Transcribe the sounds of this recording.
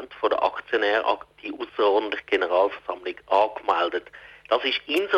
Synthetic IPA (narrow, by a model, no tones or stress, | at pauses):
ntfodə̰ʔɑ̰kt͡sjonɛːʁʔɑ̰d̥iːʔusəɔːdn̩tlɪçəɡ̥enəʁɑːlfɛɐz̥ɑmlɪɡʔɑːkmɛldətd̥ɑsɪʃɪnzo